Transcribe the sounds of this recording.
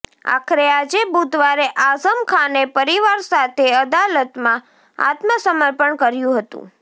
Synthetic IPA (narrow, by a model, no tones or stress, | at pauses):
a̰kʰɾead͡ʒebud̪ʱʋaɾeʔazəmkʰanepəɾiʋaɾsat̪ʰeəd̪alət̪mã | a̰t̪məsəməɾpəɳkəɾjũɦət̪ṵ̃